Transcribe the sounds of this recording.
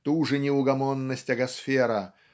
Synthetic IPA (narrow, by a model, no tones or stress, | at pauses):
t̪uʐɨnʲɪʊɡɐmonːəsʲtʲɐɡɐsfʲeɾə